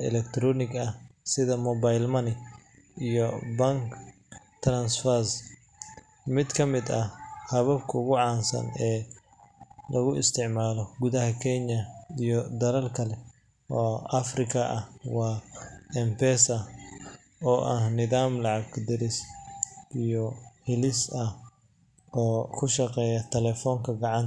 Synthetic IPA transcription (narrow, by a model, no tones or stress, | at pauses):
ɛ̰lɛkt̪ʰɾɔːnɪɡɐhsɪðɐmɔbajlmɐnɪ | ijɔbɐŋk | t̪ʰrɐnsfɐs | mɪd̪kʰɐmɪd̪ɐhɐβɐbkʰɐʊɣʊʕɑːnsɐ̰nɛː | lɐɣʊɪ̰st̪ʰɪʕmaːlɔɡuðɐɦɐkʰɛɲɐijɔd̪ɐɾɐlkʰɐlɛ | ɔːɐfrɪkʰɐʔɐhwɑːɛmpɛːsɐ | ɔːʔɐhnɪðaːmlɑʕɑɡd̪ɪɾɪsʔijɔhɪlɪsɐh | ɔːkʰʊʃɐqɛːjɐt̪ʰɛlɛːfɔːŋkʰɐɡɑʕɑnt̪